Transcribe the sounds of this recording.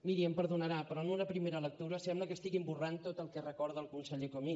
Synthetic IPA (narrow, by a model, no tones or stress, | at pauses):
miɾiəmpəɾðunəɾapɾɔənunəpɾimeɾələk̚t̪uɾəsɛmbləkəst̪iɣimburant̪ot̪əlˠkɛrəkɔɾðəlˠkunsəʎekomi